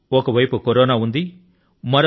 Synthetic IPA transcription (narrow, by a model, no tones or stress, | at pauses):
ɔkɐʋɐjpukoɾoːnaːund̪i | mɐɾ